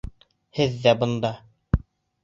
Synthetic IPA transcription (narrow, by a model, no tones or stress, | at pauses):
hɘðːæbɤ̆nd̪ɑ